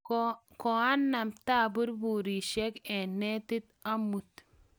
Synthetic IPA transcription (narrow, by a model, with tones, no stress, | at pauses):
kɔ˨a˦nːa˨mta˦˨bu˦ɾbu˨ɾi˨ʃɛ˦kɛ˨nɛ˦t̪ɪ˦t̪a˦mu˨t̪